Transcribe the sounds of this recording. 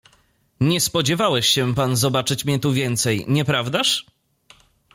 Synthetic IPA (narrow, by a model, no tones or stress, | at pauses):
ɲɛspɔd͡ʑɛvawɛɕɕɛpanzɔbat͡ʂɘt͡ɕmʲɲɛt̪uvʲjɛnt̪sɛjɲɛpɾavd̪aʂ